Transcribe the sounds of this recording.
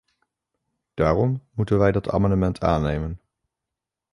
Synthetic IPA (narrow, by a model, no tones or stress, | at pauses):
d̥aːrɔmmutənʋɛjdɑtʰa̰ːmɑndəmɛntʰa̰ːnejmən